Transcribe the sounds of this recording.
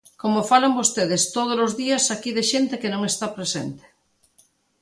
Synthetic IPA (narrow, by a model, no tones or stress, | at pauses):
komofalambost̪eðest̪oð̞olozðiɐsakiðeʃent̪ekenõŋest̪apɾesent̪e̥